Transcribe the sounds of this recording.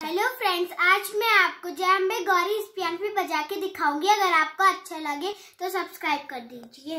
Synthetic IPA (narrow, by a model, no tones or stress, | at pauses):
ɦɛloːfɾɛ̃ːɳɖsaːd͡ʒmɛ̃aːp̚kod͡ʒɛɦɐmːẽɡɔːɾiɪspjaːnpibɐd͡ʒaːked̪ɪkʰaːũːŋɡiɐɡəɾaːp̚koɐtːʃʰalɐɡe | t̪osɐbskɾaːɪb̚kɐɾd̪iːd͡ʒieː